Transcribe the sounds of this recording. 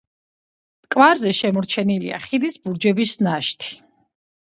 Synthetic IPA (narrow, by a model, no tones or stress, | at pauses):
kʼvaɾzɛʃɛmɔɾt͡ʃʰɛnilḭa̰χid̪isbuɾd͡ʒɛbisnaʃt̪ʰi̥